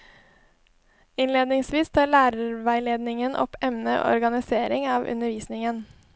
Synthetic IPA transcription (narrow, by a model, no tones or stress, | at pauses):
ɪnleːd̪nɪŋsʋiːst̪ʰɑːɭæːɾəɾʋæɪleːd̪nɪŋənʔɔ̰pɛmnə̰ɔ̰ɾɡɑnɪseːɾɪŋɑːʋʔʉ̰nəʋiːsnɪŋən